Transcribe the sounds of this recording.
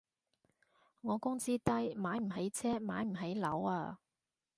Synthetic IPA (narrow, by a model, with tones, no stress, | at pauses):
ŋɔː˨˧kʊ˥ŋt͡siː˥t̪ɐ˥jmaː˨˥jm̩˨˩ɦe˨˥jt͡sʰɛː˥ma̰ː˨˥jm̩˨˩ɦe˨˥jlɐ̰˨˥waː˧